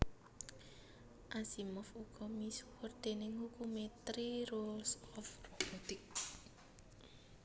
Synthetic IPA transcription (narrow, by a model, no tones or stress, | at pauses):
ʔasimɔfuɡ̥ɔmiswʊrd̪̥enɪŋhukumet̪ɾiɾolsɔfrobɔt̪ɪk̚